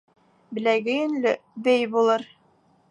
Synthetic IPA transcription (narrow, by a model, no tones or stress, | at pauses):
bɘ̆læɡɘjɘ̆nlɘbɘjbulˠɤɾ